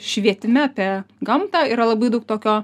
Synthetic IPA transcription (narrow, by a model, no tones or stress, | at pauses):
ʃʲʋʲiɛt̪ʲɪmʲɛpʲɛɡɐmt̪ɑːiːɾɐlˠɐbɐɪd̪ɐʊk̚t̪oːkʲoː